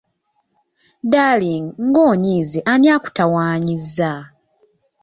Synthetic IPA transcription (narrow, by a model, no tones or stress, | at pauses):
daːliŋŋɡoːɲiːzeʔanjaːku̥tawaːɲizːa